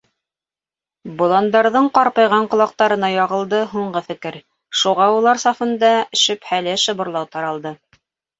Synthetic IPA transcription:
bŏlˠɑnd̪ɑɾðɤɴqɑɾpɤjʁɑɴqŏlˠɑq̚t̪ɑɾɤ̆nɑjɑʁɤ̆lˠd̪ɤɦuɴɢɤfɘ̆kɘɾ | ʃuʁɑulˠɑɾsɑfɤ̆nd̪ɑɵʃɵ̆phælɘʃɤ̆βŏɾlˠɑwt̪ɑɾɑlˠd̪ɤ

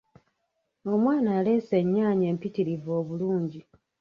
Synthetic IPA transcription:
o̞mwaːnaːle̞ːseɲːaːɲe̞ːmpitiɾivo̞ːβuluːɲɟi

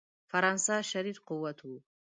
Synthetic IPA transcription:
fɐɾansaːʃɐɾiːd̪qʊwɐt̪ʰu

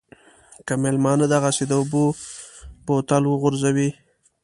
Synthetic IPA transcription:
kəmelmɑnad̪aɣased̪əʊbo | pot̪alwəɣʊɾzawi

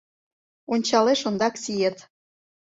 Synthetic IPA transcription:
onʲt͡ɕɑleʃŏnd̪ɑksijet̪

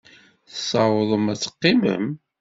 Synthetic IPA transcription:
θsɑwəðˤəmæt͡sːə̥qːimə̰m

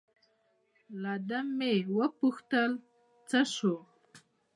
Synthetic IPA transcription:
lad̪amːewəpʊxt̪əl | t͡saʂo

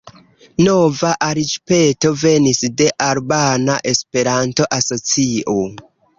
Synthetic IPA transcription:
no̞vaʔaɾit͡ʃpe̞to̞ve̞nisde̞ʔaɾbanaʔe̞spe̞ɾanto̞ʔaso̞t͡siʔo

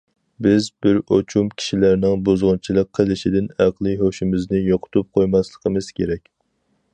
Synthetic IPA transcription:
bɪzbɪɾot͡ʃʰumkʲʰi̥ʃilæɾnɪŋbozʁʊnt͡ʃʰilˠəqqʰːəlˠɪʃid̪ɪnæqlˠɨɦoʃɪmɪznɪjoqʰʊ̥t̪ʰup̚qʰojmɑslˠə̥qʰəmɨz̥kʲʰeɾɛkʲ

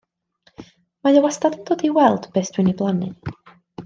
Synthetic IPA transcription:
majɔwastadɛnd̥oːdiwɛlˠd̥b̥eːsd̥wɪniblˠanɨ̰

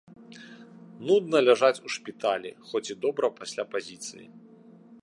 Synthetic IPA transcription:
nud̪nɐlʲaʐat͡sʲuʂpʲit̪alʲḭxɔt͡sʲid̪ɔbɾɐpasʲlʲapazʲit̪sɨ̰jḭ

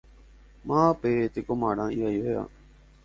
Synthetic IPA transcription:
mãːpeːt̪eːkoːmaːɽãːiːʋaːiːɦoːja̰ː

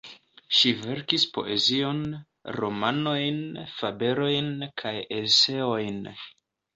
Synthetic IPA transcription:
ʃive̞ɾkispo̞̰ʔe̞zio̞n | ɾo̞mano̞jnfabe̞ɾo̞jnkʰajese̞o̞jn

